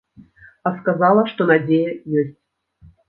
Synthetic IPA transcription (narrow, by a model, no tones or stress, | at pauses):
ɑskazɑlˠəʂt̪onadʲejəjesʲtʲ